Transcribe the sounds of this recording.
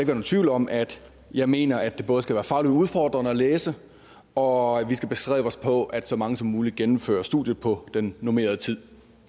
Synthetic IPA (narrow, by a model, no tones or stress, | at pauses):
eɡ̥ønon̩t͡sʰʋ̥ḭʊlɒ̽mʔæd̥ | jɑ̈ɪme̝̰ːnɐæd̥ːe̝b̥ɔ̽ːð̞̩ˠsɡ̥æʋæːɐfɑ̈ːliduð̞ˠfɒːd̥ʁɐnəæleːsə | ɒ̽ʋisɡ̥æb̥e̝sɡ̥ʁɛ̰ːʊəɒ̽spʰɒ̽ʔæd̥sɒ̽mɑ̈ŋəsɒ̽mːuːliɡ̥enm̩fø̰ːɐsd̥ṵðˠjəpʰɒ̽d̥enːome̝̰ːɐð̞̩ˠət͡sʰið̞̰ˠ